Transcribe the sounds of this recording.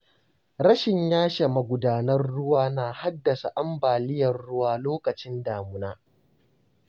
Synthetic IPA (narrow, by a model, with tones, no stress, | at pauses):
ɾɐ˦ʃɪ˨ɲjaː˦ʃa˨mɐ˨ɡʷʊ˨daː˨nɐ˦rːʊ˦waː˦naː˨ha˦dːɐ˨sa˨ʔa˦mbaː˨lɪ˦jɐ˨rɽʊ˦waː˦˨loː˦kɐ˨t͡ʃɪ˦ndaː˨mʊ˦naː˦